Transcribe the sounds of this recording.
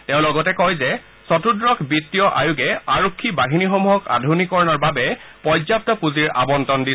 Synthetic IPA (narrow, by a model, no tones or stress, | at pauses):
tɛʊ̃lɔɡɔtɛkɔjzɛ | sɔtudɹɔkbitːijɔʔajuɡɛaɹokʰːibaɦinixɔmuɦɔka̰dʱunikɔɹɔnɔɹbabɛpɔzap̚tɔpuziɹa̰bɔntɔndi